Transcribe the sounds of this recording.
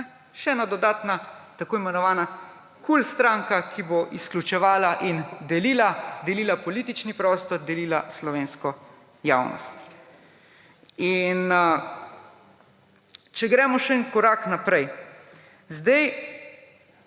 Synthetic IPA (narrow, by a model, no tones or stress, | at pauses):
ʃɛɛːnad̪ɔd̪aːt̪nat̪akoːimɛnɔʋaːna | kulst̪ɾãŋkakʰiboʔisklʲut͡ʃɛʋaːlaʔind̪ɛliːlad̪ɛliːlapɔliːt̪it͡ʃnipɾɔːst̪ɔɾd̪ɛliːlaslɔʋeːnskɔ | ja̰ːwnɔ̰st̪ | in | t͡ʃɛɡɾɛːmɔʃɛnkɔɾaːknapɾɛj | zd̪ɛj